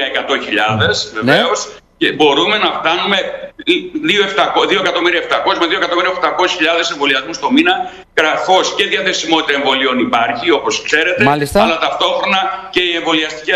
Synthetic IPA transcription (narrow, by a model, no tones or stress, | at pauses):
ɐekɐt̪o̞çiʎɐðe̞sve̞veos | cebo̞ɾume̞nɐft̪ɐnume̞ | ðio̞eft̪ɐkoðio̞ekɐt̪o̞miɾiɐeft̪ɐko̞smeðioe̞kɐt̪o̞miɾiɐopt̪ɐko̞si̥çiʎɐðe̞seɱvo̞liɐzmust̪o̞minɐ | ɣɾɐθo̞sceðijɐθesimo̞t̪it̪ɐeɱvo̞lio̞nipɐɾçio̞po̞skse̞ɾe̞t̪elisɐlɐt̪ɐft̪o̞xɾo̞nɐce̞ie̞ɱvo̞liɐst̪ici